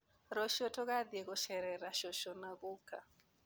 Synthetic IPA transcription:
ɾɔʃɔtɔɣaðieɣɔʃɛɾɛɾaʃɔʃɔnaɣuka

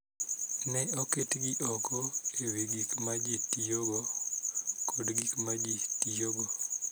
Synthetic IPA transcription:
nɛɔketɡiʔɔkɔewiɡikmad͡ʒitijoɡɔ | kʰɔdɡikmad͡ʒitijoɡo

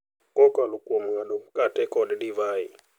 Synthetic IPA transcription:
kʼɔkʼalukʼɔmanɔmkʼatɛkʼɔlɛdivaːi

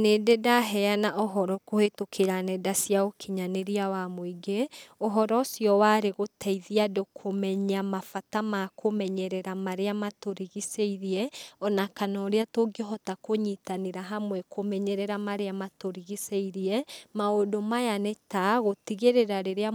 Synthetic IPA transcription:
nededaɦɛanaʔɔɦɔɾɔkohetokʰeɾanɛdasjaokʰiɲaneɾiawamoiɡeoɦɔɾɔsiɔwaɾeɣotʰɛiðiadokʰomɛɲamafatamakʰomɛɲɛɾɛɾamaɾeamatoɾiɣiseiɾiɛɔnakanɔɾeatoɡeɦɔtakoɲitaneɾaɦamwɛkʰomɛɲɛɾɛɾamaɾeamatoɾiɣiseiɾiɛmaodomajanɛtaɣotiɣeɾeɾaɾeɾea

